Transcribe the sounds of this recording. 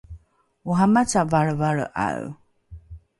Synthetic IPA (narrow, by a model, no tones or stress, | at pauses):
uɦamat͡savaɭəvaɭə̰ʔa̰w